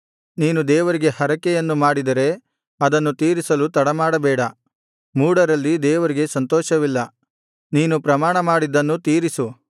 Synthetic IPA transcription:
niːnud̪ɛːʋɐɾiɡe̞hɐɾɐkɛjɐnːumaːɽid̪ɐɾe̞ | ɐd̪ɐnːut̪iːɾisɐlut̪ɐɽɐmaːɽɐbɛːɽɐ | muːɽɐɾɐlːid̪ɛːʋɐɾiɡe̞sɐnt̪ɔːʃɐʋilːɐ | niːnupɾɐmaːɳɐmaːɽid̪ɐnːut̪iːɾisu

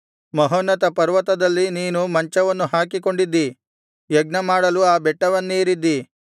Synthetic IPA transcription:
mɐɦonːɐt̪ɐpɐɾʋɐt̪ɐd̪ɐlːiniːnumɐɲt͡ʃɐʋɐnːuɦaːkiko̞ɳɖid̪ːi | jɐɡ̚nɐmaːɽɐluaːbɛʈːɐʋɐnːiːɾid̪ːi

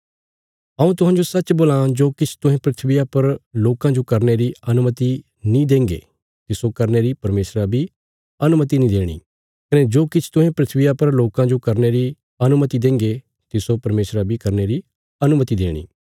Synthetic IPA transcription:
ɐũt̪̬ʊɦãːd͡ʒosɐt͡ʃboːlãd͡ʒoːkɪt͡ʃʰt̪ʊ̃ɦẽpɾɪt̪ʰʋɪjapɐɾloːkãd͡ʒokɐɾneɾiɐnʊmət̪i | nĩd̪ẽːŋɡḛː | t̪ɪsokɐɾneɾipɐɾmeːsɾabʱi | ɐnʊmət̪̬inĩd̪eːɽ̃ḭː | kɐned͡ʒoːkɪt͡ʃʰt̪ʊɦẽpɾɪt̪ʰʋijapɐɾloːkãd͡ʒokɐɾneɾi | ɐnʊmət̪id̪ẽːŋɡe | t̪ɪsopɐɾmeːsɾabʱikɐɾneɾi | ɐnʊmət̪id̪eːɽ̃ḭː

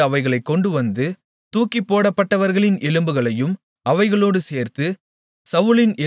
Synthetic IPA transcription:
ɐʋɐɪɣɐɭɐɪkːɔɳɖɯʋɐnd̪ɯ | t̪uːkːipːoːɽɐpːɐʈːɐʋɐɾɣɐɭɪnɛlɯmbɯɣɐɭɐjɯm | ɐʋɐɪɣɐɭoːɽɯseːɾt̪ɯ | sɐʋɯɭɪnɛ

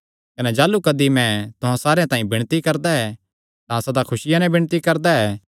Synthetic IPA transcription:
kɐnɛd͡ʒaːlukɐd̪imɛ̃t̪ʊɦãsaːɾeãt̪ãːĩbɪ̃ɽ̃t̪ikɐɾd̪aɦɛ | t̪ãɐsad̪akʰʊsɪjãnɛbɪ̃ɽ̃t̪ikɐɾd̪aɦɛː

